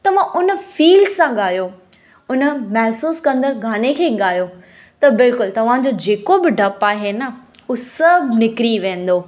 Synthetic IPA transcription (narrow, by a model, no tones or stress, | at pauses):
t̪ɐʋ̤ãʔʊnəfiːlsãɠaːjo | ʊnəmɛɦsuːskɐ̃nd̪əɾɡʱaːnekʰeːɠaːjo | t̪ɐbɪlkʊlt̪ɐʋ̤ãd͡ʑod͡ʑeːkobɪɖʱɐpaːɦenəʊsɐbʱnɪkɾiʋẽːn̆d̪oː